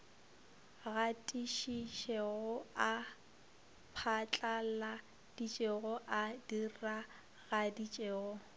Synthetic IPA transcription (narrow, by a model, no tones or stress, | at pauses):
ɣatʼiʃiʃɛɣʊa | pʰat͡ɬʼala | d̥it͡ʃʼeɣɔʔadira | ɣadit͡ʃʼeːɣɔ